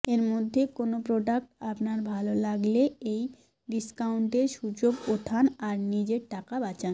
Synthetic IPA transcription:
eɾmod̪ʱːekonopɾoɖak̚ʈapnaɾbʱalolaɡleej | ɖiskawɳʈeɾʃud͡ʑoɡot̪ʰanaɾnid͡ʑeɾʈakabat͡ɕan

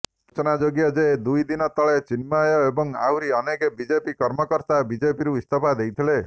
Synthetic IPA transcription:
t͡ʃɔnad͡ʒoɡjɔd͡ʒed̪ujd̪inɔt̪ɔɭet͡ʃinmajɔebɔŋawɾiɔnekebid͡ʒepikɔɾmɔkɔɾt̪abid͡ʒepiɾuist̪ʰɔpad̪ejt̪ʰile

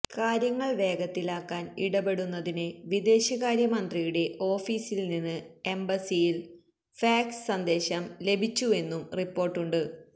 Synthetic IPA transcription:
kaːɾjɐŋːɐɭʋe̞ːɡɐt̪ːilaːkːaːniɽɐbe̞ɽunːɐðinɨʋid̪e̞ːɕɐɣaːɾjɐmɐnd̪rijuɽe̞ʔo̞ːfiːsilninːɨe̞mbɐsijil | faːkssɐnd̪e̞ːɕɐmle̞bʱit͡ɕːue̞nːumripːo̞ːrʈːuɳɖɨ

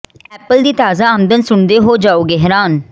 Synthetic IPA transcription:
ɛːpəld̪iːt̪aːzaːəmd̪ənsʊɳd̪eːɦoːd͡ʒaːoːɡɛɦɾaːn

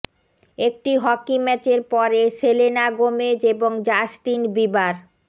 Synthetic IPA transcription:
ek̚ʈiɦɔkimɛt͡ɕeɾpɔɾeselenaɡomed͡ʑeboŋd͡ʑasʈinbibaɾ

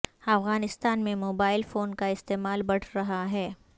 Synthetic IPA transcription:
ɐfɣaːnɪst̪aːnmẽmoːbaːɪlfoːnkaɪst̪eːmaːlbɐɽ̤ʰɾɐɦaɦɛː

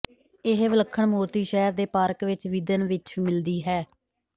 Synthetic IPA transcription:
ɪɦʋələkʰːəɳmoːɾt̪iːʃɛːɾd̪eːpaːɾkʋɪt͡ʃʋid̪ənʋɪt͡ʃːmɪld̪iːɦɛː

